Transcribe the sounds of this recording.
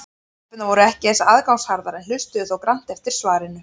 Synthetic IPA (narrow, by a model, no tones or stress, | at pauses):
pɪt̪navɔɾʏɛhcɪθɛsaaðkawŋshaɾðaɾɛnl̥ʏst̪ʏðɔwkɾan̥t̪ɛft̪ɪɾ̥svaːɾɪnʏ